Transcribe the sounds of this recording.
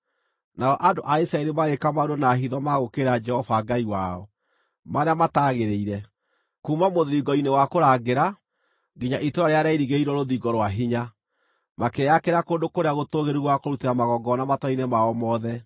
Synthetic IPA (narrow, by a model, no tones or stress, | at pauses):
naɔʔandoʔaisɾaeɾemaɣekamaudonaɦiðɔmaɣokeɾad͡ʒɛhɔvaːɡaiwaɔ | maɾeamataɣeɾeiɾɛ | kumamoðiɡɔinewakoɾaːɡeɾa | ɡiɲaʔitoɾaɾeaɾaiɾiɣeiɾɔɾoðiɡɔɾwaɦiɲa | makɛakeɾakoːndokoɾeaɣotoɣeɾiɣwakoɾuteɾamaɣɔɡɔnamatɔinɛmaɔmɔðɛ